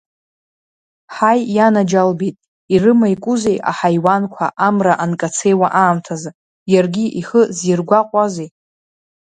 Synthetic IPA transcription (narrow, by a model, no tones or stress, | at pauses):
ħajːanad͡ʒalbejtʼ | irɨmajkʷʼʊzejʔa̰ħajwankʷʰa̰ʔamraʔankʼat͡sʰe̞jwaʔaːmtʰaza | jarɡʲiʔiχəzirɡʷaqʷʼazej